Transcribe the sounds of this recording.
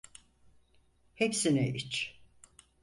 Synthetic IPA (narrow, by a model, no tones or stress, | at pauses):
hepsinɛʔit͡ʃ